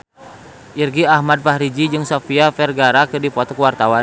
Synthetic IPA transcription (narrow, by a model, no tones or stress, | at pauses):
ʔirɡiahmad̚faɦɾid͡ʒid͡ʒɨŋsɔfiafɛrɡaɾakɨrdipɔt̪ɔkəwart̪awan